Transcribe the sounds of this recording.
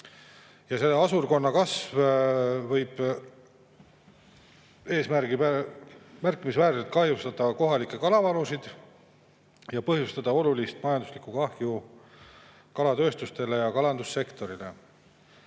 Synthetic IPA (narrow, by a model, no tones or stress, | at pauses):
jɑse̞lːeɑsurko̞nːɑkɑsvvɤjb̥ | eːsmæɾɡiæ | mærkːˑimisvæːɾt̪et̪̚kɑɦjust̪ɑd̪̥ɑko̞ɦɑlikːˑe̞kɑlɑvɑlusid̪̥ | jɑpɤɦjust̪ɑd̪̥ɑo̞lulist̪mɑjɑnd̪uslikukɑhju | kɑlɑt̪ø̞ːst̪ust̪e̞le̞jɑkɑlɑnd̪usːe̞kt̪o̞ɾile̞̰